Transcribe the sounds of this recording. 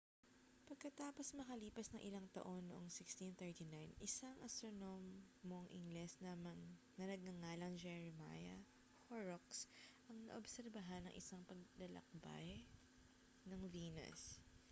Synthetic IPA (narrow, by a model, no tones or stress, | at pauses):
pɐɡ̚kɐt̪aːpo̞smɐkɐliːpɐsnɐŋʔɪlaŋt̪ɐ̰ʔo̞nːoʔoŋsɪkst̪int̪ɛɹt̪inajnɪsaŋʔɐst̪ɾono̞mː | oŋʔɪŋɡlɛsnɐm | nɐnɐɡ̚ːɐŋaːlɐŋd͡ʒɛɹɛma̰jɐ | hoɹoksʔɐŋnɐ̰ʔobsɛɾbɐɦɐnːɐŋʔɪsɐŋpɐɡ̚lɐlɐ̰k̚ba̰j | nɐŋviːnɐ̰s